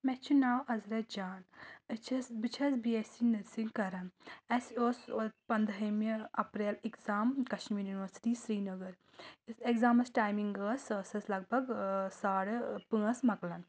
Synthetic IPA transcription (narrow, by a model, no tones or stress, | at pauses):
mɛt͡ʃʰunaːwɐzɾɐd͡ʒaːnət͡ʃʰɐsbɨt͡ʃʰɐsbiesinəɾsiŋɡkɐɾɐnɐsoːsopɐnd̪ɐmeɐpɾeːlekzaːmkɐʃʈmijːɾjunʋəɾsi̥ʈisɾiːnɐɡəɾ | ekzaːmɐsʈaːjmiŋɡəːsəsɐslɐɡ̚bʱɐɡsaːɽpə̃əsmɐklɐn